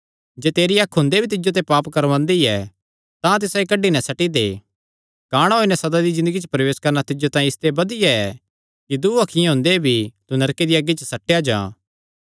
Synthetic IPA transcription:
d͡ʒeːt̪eːɾiakʰɦʊ̃ːnd̪ebʱit̪̬ɪd͡ʒot̪̬ɛpaːpkɐɾʋãːnd̪iɛ | t̪ãt̪ɪsaikɐɖːinɛsɐʈid̪ḛ | kaːɽ̃ɦoːinɛsɐd̪ad̪izɪ̃nd̪əɡit͡ʃəpɾɐʋeːskɐɾnat̪ɪd͡ʒot̪ãːjĩɪst̪ebɐd̪ɪjaɛ | kid̪uːɐkʰɪjẽɦʊ̃ːnd̪ebʱit̪unɐɾked̪iaɡit͡ʃəsɐʈːejad͡ʒã̰ː

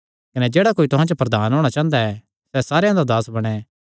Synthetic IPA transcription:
kɐnɛd͡ʒeːɽakoːit̪ʊɦãt͡ʃopɾɐd̪aːnɦoːɽ̃at͡ʃãːə̃nd̪aɛ | sɛsaːɾejãd̪ad̪aːsbɐɽ̃ɛ

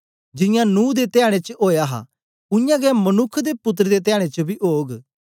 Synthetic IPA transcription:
d͡ʒɪjãnũːd̪et̪ɪjaːɽ̃et͡ʃəoːjaːɦa̰ | ʊjãːɡɛmənʊkʰːd̪eːpʊt̪̬ːɾd̪eːt̪ɪjaːɽ̃et͡ʃəbʱiːʔoːɡ

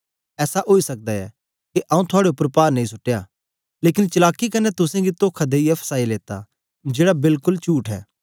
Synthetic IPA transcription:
ɛːsaʔoːisɐk̚d̪aɛ̰ | kiʔãːũt̪ʰʊaːɽeʊpːəɾpaːɾnɐĩsʊʈːeja | leːkɪnt͡ʃɐlaːkːikɐnːɛt̪ʊsẽɡit̪oːkʰad̪eiɛpʰə̥saːileːt̪a̰ | d͡ʒeːɽabɪlkʊlt͡ʃuːʈɦɛ̰ː

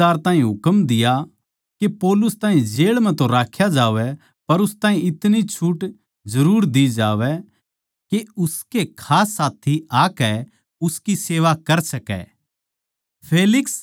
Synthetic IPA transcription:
aːɾt̪aːɦĩɦʊkəmd̪ɪja | kepɔːlʊst̪ãːɦĩd͡ʒeːɭm̤ɛ̃t̪õɾaːkʰjad͡ʒaːʋɛ | pɐɾʊst̪ãːĩɪt̪nit͡ʃʰuʈ | zɐɾuːɾd̪id͡ʒaːʋɛ | keʊskekʰaːsːaːt̪ʰiaːkɛ | ʊskiseːʋakɐɾsɐkɛ̰ | pʰeːlɪks

